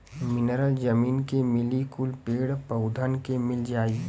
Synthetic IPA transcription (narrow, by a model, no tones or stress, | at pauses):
mɪnəɾəld͡ʒəmiːnkemɪlikʊlpeːɽpəʊd̪ʱənkemɪld͡ʒaːi